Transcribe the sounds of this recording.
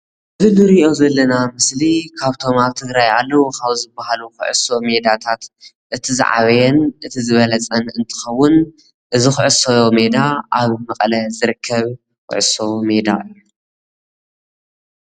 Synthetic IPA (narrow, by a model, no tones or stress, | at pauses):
ʔɨzɨnɨɾiʔo̞zɐlːɐnamɨslikʰaβt̪ʰo̞maβt̪ʰɨɡɾajalːɐwukʰaβzɨbːahaluxɨ̰ʕʊ̰so̞me̞d̪at̪ʰat̪ | ʔɨt̪ʰizɨ̰ʕa̰βɐjɛnʔɨt̪ʰizɨβɐlɐt͡sʼɐnɨnt̪ʰɨ̥xɐwːʊn | ʔɨzɨxʊʕɨsojome̞d̪aʔaβmɐqʼlɐzɨɾɨkʰːɐβ | xʊ̰ʕɨso̞me̞d̪a̰ʔɨjːu